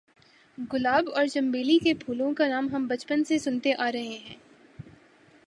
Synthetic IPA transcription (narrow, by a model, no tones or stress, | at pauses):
ɡʊlaːbɔːɾt͡ʃɐ̃mbeːlikepʰuːlõkanaːmɦɐmbɐt͡ʃpənsesʊnt̪eʔaːɾɐɦeɦɛ̃ː